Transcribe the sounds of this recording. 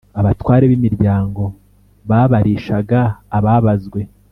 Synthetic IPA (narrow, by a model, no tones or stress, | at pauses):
aβatwaːɾeβimiɾɟaːŋɡo̞ | βaβaɾiːʃaɡaːβaβazɡwe̞